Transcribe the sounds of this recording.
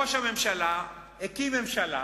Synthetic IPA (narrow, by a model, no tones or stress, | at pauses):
oʃhame̞mʃala | ekime̞mʃala